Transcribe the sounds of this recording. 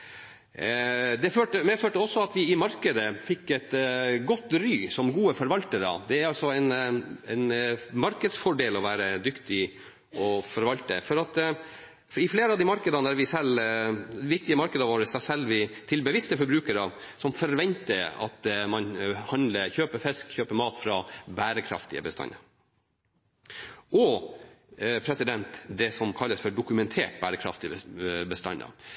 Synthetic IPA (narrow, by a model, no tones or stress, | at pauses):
d̪ɛføːʈəmɛføːʈəɔsːɔɑt̪ʋɪɪmɑɾkəd̪əfɪkːɛt̪ɡɔt̪ːɾyːsɔmɡuːəfɔɾʋɑlt̪əɾə̰d̪ɛæɾɑlsɔɛɪnɛɪnmɑɾkəd̪sfɔɖeːlɔʋæːɾəd̪ʏkt̪ɪ | ɔfɔɾʋɑlt̪ə̰fɔɾɑt̪ | ɪfleːɾəɑd̪ɪmɑɾkəd̪ɑnəd̪æɾʋɪsɛlː | ʋɪk̚t̪ɪəmɑɾkəd̪əʋoːɾəsæsɛlːʋɪt̪ʰɪlbəʋɪst̪əfɔɾbɾʉːkəɾəsɔmfɔɾʋɛnt̪əɑ̰t̪mɑnhɑnd̪ləçøːpəfɛskçøːpəmɑːt̪fɾɑːbæːɾəkʰɾɑ̰ft̪ɪə̰bəst̪ɑ̰nə̰ | ɔ | pʰɾɛsɪd̪ɛnt̪d̪ɛsɔmkʰɑlːəsfɔɖʊkʉmɛnt̪ʰeːʈ̚bæːɾəkʰɾɑ̰ft̪ɪbəst̪ɑ̰nːɑ̰